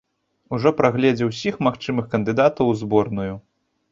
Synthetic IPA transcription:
uʐɔpɾaɣlʲɛd͡zʲɛwsʲixmaxt͡ʂɨmɨxkɐnd̪ɨd̪at̪ɐwzbɔrnuju

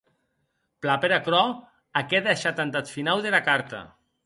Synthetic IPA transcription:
plapeɾakɾɔ | akɛðaʃat̪ant̪at̪finawðelakaɾt̪a̰

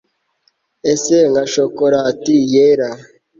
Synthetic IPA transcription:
eseŋɡaʃokoɾatijeɾa

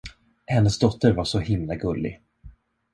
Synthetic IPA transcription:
hɛnːəsd̪ɔt̪ːəɾvaʂɔhɪmlaɡɵlːɪ̰ɡ

